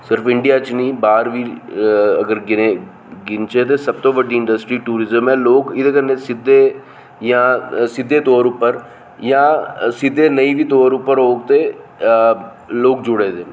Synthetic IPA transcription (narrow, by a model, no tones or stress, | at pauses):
sɪɾfɪɳɖijaːt͡ʃniːbaːɾʋiː | əɡəɾɡɪe | ɡɪnt͡ʃet̪̬esəb̚t̪oʋəɖiɪ̃ɳɖəsʈɾiːʈuːɾɪzəmɛ̃ːloːkɪd̪ekənesɪd̪ʱːeː | jãsɪd̪ʱːeːt̪oːɾʊpːəɾ | jãːsɪd̪ʱːeːnəĩbʱiːt̪oːɾʊpːəɾɦoːɡt̪e | loːk̚d͡ʒʊɽeːd̪eː